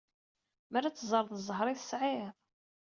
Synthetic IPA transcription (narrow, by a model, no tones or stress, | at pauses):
mæɾːat͡sːzˤəɾˤðˤəzˤːəɦɾˤiθəsʕiðˤ